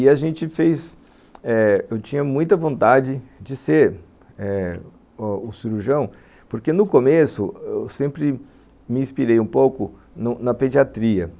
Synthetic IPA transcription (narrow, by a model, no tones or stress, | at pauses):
ɪaʒẽnt͡ʃɪfejs | ɛewt͡ʃĩɲɐmũj̃t̪ɐvõnt̪ad͡ʒɪd͡ʒɪseɾ | ɛ | ʊsiɾuʒɐ̃w̃ | poɾkenʊkomesʊewsẽmpɾɪ | mɪĩspiɾejũpowkʊ | nʊnɐped͡ʒiat̪ɾiɐ